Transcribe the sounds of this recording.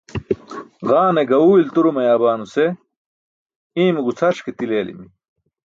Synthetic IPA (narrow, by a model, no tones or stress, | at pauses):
ɣaːneɡɐuːilt̪uɾumɐjaːbaːnuse | iːmiɡut͡sʰɐʂket̪ileːlḭmi